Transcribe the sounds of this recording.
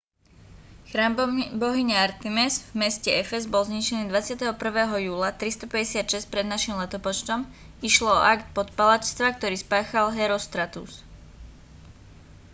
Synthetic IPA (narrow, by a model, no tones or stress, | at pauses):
xɾaːmbɔɦiɲɛaɾt̪imɛzvmɛscɛɛfɛzbɔlzɲit͡ʃɛniːd̪ʋat͡sɪat̪ɛɦɔpr̩ʋɛːɦɔjuːlat̪ɾist̪ɔpɛɟɛsɪat̪ʃɛsc̚pɾɛd̪naʃimlɛt̪ɔpɔt͡ʃt̪ɔm | iʃlɔɔ̰ʔakt̪̚pɔt̪palat͡ʃst̪ʋak̚t̪ɔɾiːspaːxalɦɛɾɔst̪ɾat̪ṵs